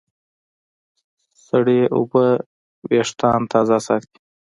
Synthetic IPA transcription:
saɽeʔʊ̰bə | weʂt̪ɑːnt̪ʰɑːzasɑt̪i̥

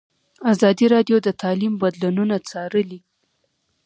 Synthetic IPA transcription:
azɑd̪iɾɑɖjod̪ət̪ɑlimbad̪lununat͡sɑɾəli

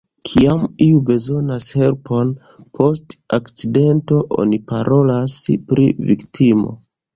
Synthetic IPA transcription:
kʰiamiube̞zo̞nashe̞lpo̞n | pʰo̞stakt͡side̞nto̞ʔo̞̰nipaɾʔo̞laspɾivḭktʰimo̞̰

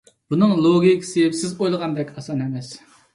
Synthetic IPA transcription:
b̥unɨŋlˠoɡʲikʲseɪpsɪzojlˠəʁɑnd̪ɛkʲɑsɑnhɛmɛs

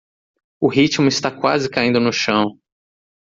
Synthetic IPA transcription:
ʊɦit͡ʃmʊɪst̪akwazɪkaĩd̪ʊnʊʃɐ̃w̃

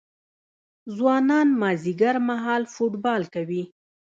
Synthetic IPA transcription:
zwɑnɑnmɑziɡaɾmaɦɑlfuʈbɑlkawi

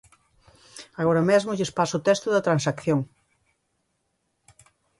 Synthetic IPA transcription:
aɣoɾɐmezmʊʎɪspasʊʊt̪ɛst̪ʊðɐt̪ɾansakθjoŋ

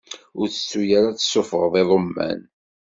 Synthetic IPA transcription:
ʊɾθə̥sːujaɾat͡sːə̥sːʊfəʁðˤiðˤomːæ̰n

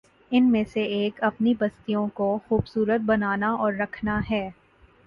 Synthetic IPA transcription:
ɪnmẽseeːkɐpnibɐst̪ijõkoxuːbsuːɾət̪̚bɐnaːnaɔːɾːɐkʰnaɦɛː

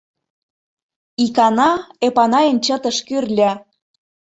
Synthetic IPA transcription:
ikɑnɑepɑnɑjə̆nt͡ɕə̆t̪ə̆ʃkyrlʲæ

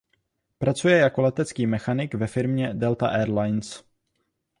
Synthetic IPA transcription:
pɾat͡sujɛjako̞lɛt̪ɛt͡skiːmɛxanɪɡvɛfɪɾmɲɛdɛlt̪aʔɛːɾlajns

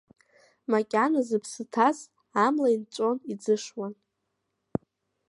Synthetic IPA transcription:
makʲʼanazɨpʰsɨtʰaz | amlaint͡ʃʷʼo̞nid͡zɨʂwan

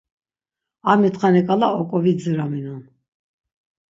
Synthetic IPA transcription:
amit̪χanɛkʼalaɔkʼɔvid͡ziɾaminun

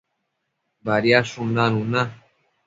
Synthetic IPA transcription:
baɾjaʃũndanũna

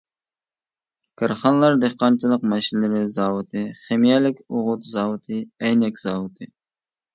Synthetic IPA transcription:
kʰɨɾχɑnlˠɑɾd̪eχqːɑnt͡ʃʰilˠəq̚mɛʃinlɪɾɪzɑːwɨt̪ʰɨχemijɛlɪkʲʊʁʊt̪zɑːwut̪ʰɨɛjnɛkʲz̥ɑːwut̪ʰɨ

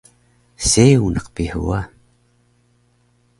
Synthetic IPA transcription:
seunʔɑqpihṵa

